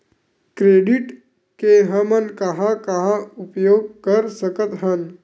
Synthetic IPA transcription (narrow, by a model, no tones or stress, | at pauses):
kɾeːɖɪʈ | keɦəmənkɐɦãkɐɦãʊpjoːɡ̚kəɾsəkət̪ɦən